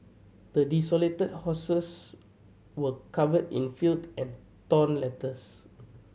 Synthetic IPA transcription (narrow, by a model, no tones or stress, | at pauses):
d̥ədisɔletəd̚hɔsəs | wəkʰavədḭ̃nfildɛ̃n | tɔ̃nlɛtəs